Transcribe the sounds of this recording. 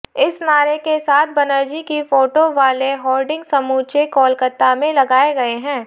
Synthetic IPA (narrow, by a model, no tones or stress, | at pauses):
ɪsnaːɾekesaːt̪̚ʰbɐnəɾd͡ʒikifoːʈoʋaːleɦɔːlɖɪ̃ŋɡsɐmuːt͡ʃekɔːlkət̪ːamẽlɐɡaːeɡɐeɦɛ̃ː